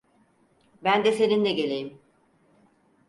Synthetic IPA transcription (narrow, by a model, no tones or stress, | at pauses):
bænd̪ɛse̞nind̪ɛɟe̞lʲejim